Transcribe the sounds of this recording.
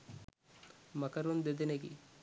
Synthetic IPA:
mɐkɐɾond̪ed̪eneɡḭ

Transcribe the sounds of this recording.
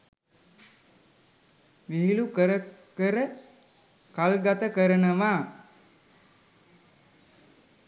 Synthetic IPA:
ʋiɦilukəɾəkəɾə | kalɡat̪əkəɾənəʋaː

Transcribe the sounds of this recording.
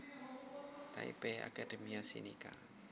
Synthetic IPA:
t̪a̰ipɛa̰kad̪̥ə̤miasḭnika

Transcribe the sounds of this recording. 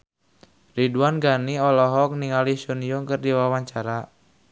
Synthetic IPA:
riduanɡaniɔlɔɦɔk̚niŋalisunjuŋkɨrdiwawaɲt͡ʃaɾa

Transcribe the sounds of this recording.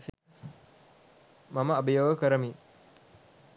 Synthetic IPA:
s | maməabəjoʋəkəɾəmi

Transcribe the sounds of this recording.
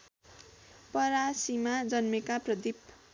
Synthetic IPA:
pʌɾasimad͡zʌnmekaprʌd̪ip

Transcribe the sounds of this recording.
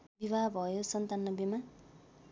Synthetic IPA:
bibʱaɦbʱʌjosʌnt̪anːʌbima

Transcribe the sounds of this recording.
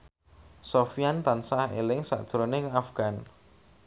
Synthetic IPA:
sofijant̪ansahḛlɪŋsa̰ʔd̥ʒ̥ɾoneŋafɡ̥an

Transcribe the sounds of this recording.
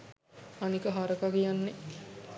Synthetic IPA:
anikəɦaɾəkaɡijanːe

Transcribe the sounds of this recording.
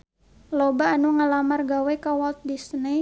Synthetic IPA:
lobaːnuŋalamarɡawɛkawɔlt̪̚disəni

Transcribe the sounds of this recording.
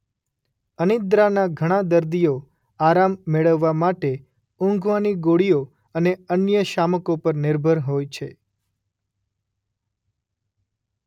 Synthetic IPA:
ənɪd̪ɾanaɡʱəɽ̃ãd̪əɾd̪ijo | aɾamːeɭəʋːamaʈe | ʊ̃ŋɡʋaniɡoɽijo | əneənjəʃaməkopəɾnɪɾbʱəɾɦojt͡ʃʰe

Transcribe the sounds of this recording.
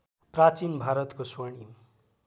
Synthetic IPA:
prat͡sinbʱaɾʌt̪koswʌɳi

